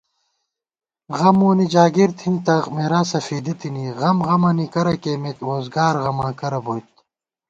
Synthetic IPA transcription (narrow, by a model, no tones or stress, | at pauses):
ʁɐmuːnid͡ʑaːɡiɾt̪hint̪ɐmeɾaːsɐfiːd̪it̪iniɣɐmɣɐmɐnikɐɾɐkeːmet̪ɾoːzɡaːɾɣɐmãːkɐɾɐbojt̪